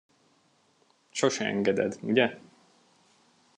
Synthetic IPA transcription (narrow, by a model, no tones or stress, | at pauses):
ʃoʃɛɛ̰ŋɡɛd̪ɛ̰d̪uɟɛ